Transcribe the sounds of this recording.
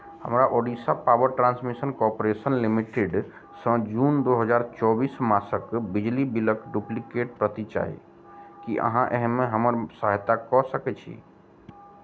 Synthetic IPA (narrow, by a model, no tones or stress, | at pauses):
hə̰mɾaʔoɖisapabəɾʈɾãnsmisənkɔɾpoɾesənlimiʈeɖ | sə̃d͡ʒund̪oɦəd͡ʒaɾt͡ʃɔbismasəkbid͡ʒlibiləkɖuplikeʈ̚pɾət̪it͡ʃa̰ɦḭ | kiʔə̰ɦãʔeɦmeɦəməɾsaɦt̪akɔsəkɛt͡ʃʰḭ